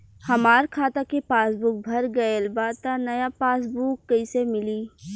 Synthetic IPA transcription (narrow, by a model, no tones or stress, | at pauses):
hɐmaːɾkʰaːt̪akepaːsbʊk̚bʱɐɾɡɐelbaːd̪t̪anɐjapaːs̬buːkːɐɪsemɪliː